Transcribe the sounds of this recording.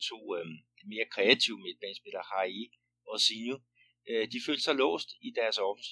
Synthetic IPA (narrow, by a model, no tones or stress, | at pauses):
t͡sʰo̝̰̥ː | me̝ːɐkʰʁɛæt͡sʰiʊmed̥̚b̥ɛnsb̥ed̥ɐhɑ̈i | ɒ̽sinju | ød̥ifø̰ːl̥sɑlɔ̰̽ːsd̥id̥æɐsɒfn̩s